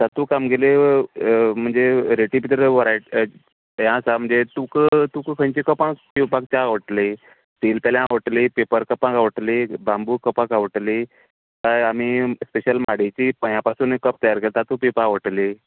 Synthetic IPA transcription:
sat̪ukamɡele | m̤əɳd͡zeɾeʈibit̪əɾəʋəɾaj | jãsam̤əɳd͡zet̪ukt̪ukkʰə̃ɲt͡ɕikəpãkpipãk̚t͡ɕaaʋəʈle | t̪elpaljãaʋəʈlipepəɾkəpãkaʋəʈlebambukəpãkaʋəʈli | t̪aam̤ispeɕəlmaɽet͡ɕipəjãpasuːnekəp̚t̪əjaɾkelt̪at̪ũpepaʋəʈli

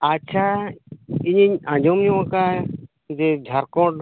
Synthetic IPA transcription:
at͡ʃʰa | iɲiɲãd͡ʒɔmɲɔwãka | d͡ʒɛd͡ʒʱaɾkɔ̃ʈ

